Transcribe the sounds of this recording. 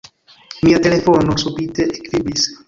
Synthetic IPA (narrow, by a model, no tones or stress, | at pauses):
miːat̪elefonosupit̪eʔekvibis